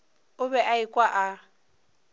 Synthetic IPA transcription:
ʊbɛʔaɪkʼwaʔa

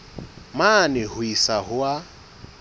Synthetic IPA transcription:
manɪhʊisaɦʊwa

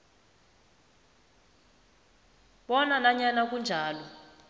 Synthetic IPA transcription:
ɓɔnanaɲanak̬ʼund͡ʒʱaːlɔ

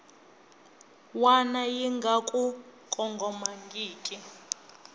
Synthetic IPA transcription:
wanajiŋɡʱakʼu | kʼɔŋɡʱɔmaŋɡʱiːkʼi

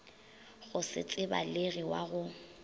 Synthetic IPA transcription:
ɣʊsɪ̰t͡sʼɪba̰leɣiwa̰ɣʊ

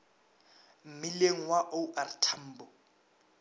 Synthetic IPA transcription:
m̩mileŋ̩waʔouʔartʰam̩ːbɔ

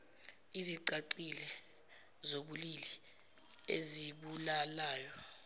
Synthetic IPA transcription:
iziǀaǀilɛ | zoɓulili | eziɓulalaːjɔ

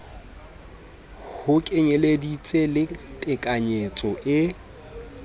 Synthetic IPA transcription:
hʊkʼɪɲeledit͡sʼelɪtʼɪkʼaɲet͡sʼɔʔɪ

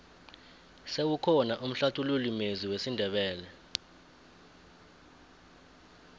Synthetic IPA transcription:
sewukʰɔnaʔum̩ɬatʰululimeziwesindʱɛɓɛːlɛ

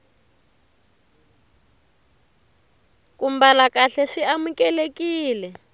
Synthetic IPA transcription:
kumbalakaɬɛʂiamukɛlekiːlɛ

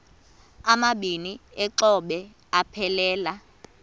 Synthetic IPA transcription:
amaɓiniɛǁɔɓɛ | apʰɛlɛːla

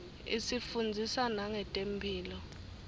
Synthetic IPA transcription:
ḭsifund͡zʱisanaŋɛtʼempʰiːlɔ

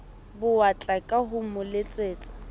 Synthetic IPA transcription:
bʊat͡ɬʼakʼaɦʊmʊlet͡sʼeːt͡sʼḁ

